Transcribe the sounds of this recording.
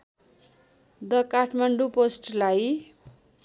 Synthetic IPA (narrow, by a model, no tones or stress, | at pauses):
d̪ʌkaʈʰmaɳɖuposʈlaj